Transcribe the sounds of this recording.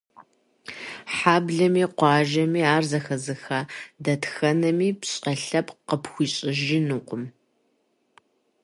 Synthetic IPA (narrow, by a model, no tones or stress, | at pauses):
ħaːbɮɐmiːqʷɑːʒɐmiːaːrzɐxɐzɨxaːdɐtxɐnɐmiːpɕʼɐɬɐpʼqəpxʷiːɕʼɪʒɪnɨqʷʊm